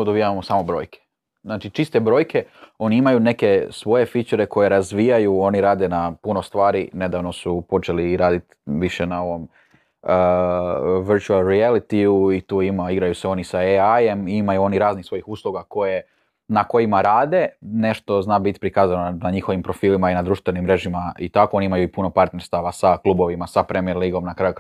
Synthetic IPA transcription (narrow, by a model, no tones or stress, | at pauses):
od̪obijaʋamosaːmobɾo̞ːjkʰe̥ | znaːt͡ʃit͡ʃist̪e̞bɾo̞ːjkʰe̞o̞niimajune̞ke̞sʋo̞je̞fit͡ʃeɾe̞kʰo̞je̞ɾazʋijajuo̞niɾaːd̪enapuno̞st̪ʋaːɾine̞d̪aːʋno̞supo̞t͡ʃeliːɾaːd̪it̪ | ʋiʃenao̞ʋo̞m | ə | ʋiɾt͡ʃualˠɾielit̪iuit̪uːimaiɡɾajuseo̞nisaeaje̞mimajuo̞niɾaːznixsʋo̞jixuːslˠuɡako̞je | nako̞jimaɾaːd̪e̞ne̞ʃt̪o̞znaːbit̪i̥pɾikaːzanonaɲixo̞ʋimpɾo̞fiːlimainad̪ɾuːʃt̪ʋe̞nimːɾe̞ʒimaḭt̪ako̞o̞niimajuipuno̞paɾt̪ne̞ɾst̪aʋasaklˠubo̞ʋimasapɾemieɾliːɡo̞mnakɾaːju